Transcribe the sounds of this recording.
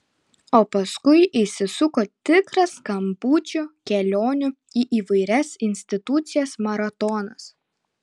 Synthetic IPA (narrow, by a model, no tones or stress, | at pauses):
oːpɐskʊɪʔɪsʲɪsʊkoːt̪ʲɪkɾɐskɐmbuːt͡ʃʲʊkʲɛlʲoːnʲʊ | iːʔiːʋɐɪɾʲɛsɪnʲsʲt̪ʲɪt̪ʊt̪sʲɪjɛsmɐɾɐt̪ɔnɐs